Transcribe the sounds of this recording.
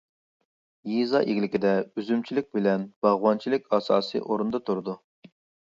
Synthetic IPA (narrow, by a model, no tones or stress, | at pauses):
jizɑ̰ʔeɡʲlɪkʲɪd̪ɛyzymt͡ʃʰilɪk̚ʲbɪlɛnb̥ɑʁwɑnt͡ʃʰilɪkʲɑsɑ̰ːsḭʔoɾund̪ɑt̪ʰuɾɨd̪u